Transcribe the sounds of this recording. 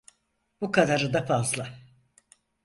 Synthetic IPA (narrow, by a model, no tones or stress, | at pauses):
b̥ukʰad̪aɾɯd̪afazlˠa